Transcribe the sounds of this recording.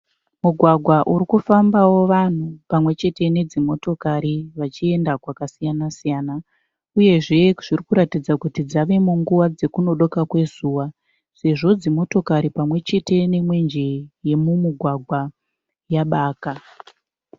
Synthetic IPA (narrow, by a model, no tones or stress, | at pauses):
muɡʱwaɡʱwaʔuɾikufambawo̞ʋan̤upamwe̞t͡ʃe̞te̞ne̞d͡zimo̞to̞kaɾiʋat͡ʃie̞ndakwakasijanasijaːna | uje̞ʐe̞ʐ̥irikuɾatid͡zakutid͡zaʋe̞muŋɡuʋad͡ze̞kuno̞ɗo̞kakwe̞zuːwa | se̞ʐo̞d͡zimo̞to̞kaɾipamwe̞t͡ʃe̞te̞ne̞mwe̞nd͡ʒe̞je̞mumiɡʱwaɡʱwa | jaɓaːka